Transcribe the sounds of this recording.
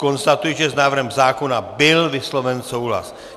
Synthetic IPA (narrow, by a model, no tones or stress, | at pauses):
ko̞nst̪at̪ujiʒɛznaːvr̩ɾɦɛmzaːko̞nabɪlvɪslo̞vɛnso̞wɦla̰s